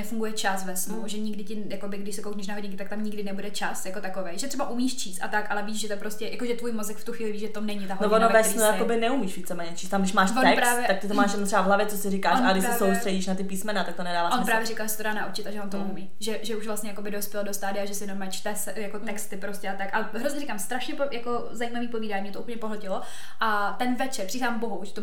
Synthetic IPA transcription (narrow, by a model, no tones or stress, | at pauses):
ɛfuŋɡujɛt͡ʃasvɛsnuʒɛɲɪɡdɪcɪjakobɪɡdɪʃsɛkowkɲɛʃnaɦoɟɲɪŋkɪt̪akt̪amɲɪɡdɪnɛbudɛt͡ʃasjakot̪akovejʒɛt̪r̥ɛbaʔumiːʃt͡ʃiːst̪ʔat̪akʔalɛviːʃʒɛt̪opɾo̞scɛjakoʒɛt̪vuːjmozɛkft̪uxʋiːlɪviːʒʒɛt̪onɛɲɪt̪aɦonovonovɛsinujakkobɪnɛumiːʃviːt͡sɛmɛːɲɛt͡ʃiːst̪amɡdɪʃmaːʃoɛkpɾsaːvjɛak̚t̪ɪt̪omaːʃjɛdnomt̪rɛbavɦlavjɛt͡sosɪɾɪkaːʃaɡdɪʃsɛsowsr̥ɛɟiːʃnat̪ɪpiːsmɛnat̪ak̚t̪onɛdaːvaːonpɾaːvjɛɾɪkalʒɛsɛt̪odaːnaʔut͡ʃɪt̪aʒɛvont̪oumiːʒɛʒɛuʃvlastɲɛjako̞bɪdo̞spjɛlodost̪aːdɪaʒɛsɪjɛnomɛt͡ʃt̪ɛs | jakot̪ɛkst̪ɪpɾoscɛat̪akʔalɛɦɾozɲɛɾɪkamst̪ɾaʃɲɛpojako | zajiːmaviːpo̞viːdaːɲimɲɛt̪oʔupl̩ɲɛpoɦlɛcɪlo | ʔa | t̪ɛnvɛt͡ʃɛɾpr̥isaːmboɦuʒɛ̥t̪o